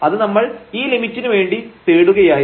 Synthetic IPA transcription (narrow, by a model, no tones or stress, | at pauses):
ɐðɨnɐmːɐɭiːlimitːinuʋe̞ːɳɖit̪eːɽuɣɐjaː